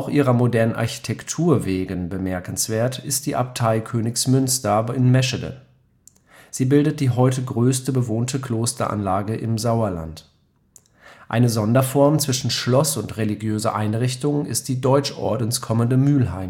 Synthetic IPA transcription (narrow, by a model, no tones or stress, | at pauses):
ʔaʊxʔiːʁɐmodɛɐnənʔa̰ɐçi̥tʰɛktʰuːɐveːɡənbəmɛɐkn̩sv̥eːɐtɪst̚d̥iːʔap̚tʰaɪkʰøːnɪçsmʏnstɐɪnmɛʃədə̰ | z̥iːbɪldət̚d̥iːɦɔʏtəɡʁøːstəbəvoːntʰəkʰl̥oːstɐ̰ʔa̰nlaːɡəʔɪ̰mzaʊɐla̰nt | ʔa̰ɪnəzɔndɐfɔɐmt͡sv̥ɪʃn̩ʃlɔsʊntʁeliɡjøːzɐʔaɪnʁɪçtʊŋɪ̰st̚d̥iːdɔʏt͡ʃʔɔ̰ɐdn̩skʰɔməndəmyːlɦa̰ɪm